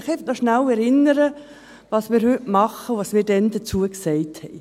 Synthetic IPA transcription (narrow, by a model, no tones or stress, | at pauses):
χɛftnɔʃnæwɛɾɪnəɾə | ʋɑːsmɪːɾhʏtmɑχəʋɑːsmiːɾdɛnd̪ət͡suəksɛɪthɛɪ